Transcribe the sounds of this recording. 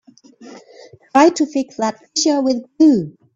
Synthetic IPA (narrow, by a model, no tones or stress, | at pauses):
tʰɹ̥aɪtʰufɪksðət̚fɪʃəwɪðɡlu